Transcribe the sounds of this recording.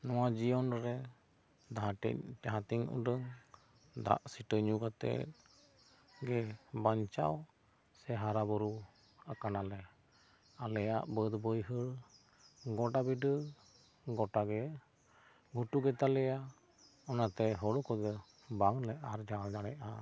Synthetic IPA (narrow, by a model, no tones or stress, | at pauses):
nɔwad͡ʒijɔnɾɾɛ | d̪aɦaɛ̰ɦat̪iŋṵɖəŋ | d̪a̰ʔsiʈəɲuɡat̪ɛ̰ | ɡɛbaɲt͡ʃa̰w | sɛɦaɾabɔɾu | akanalɛ | alɛja̰ʔbəd̪bəjɦəɽ | ɡɔʈabiɖə | ɡɔʈaɡɛ | ɡʱuʈuɡɛt̪alɛja | ɔnat̪ɛɦɔɽɔkɔd̪ɛ | baŋlɛaɾd͡ʒald͡ʒaɽɛʔa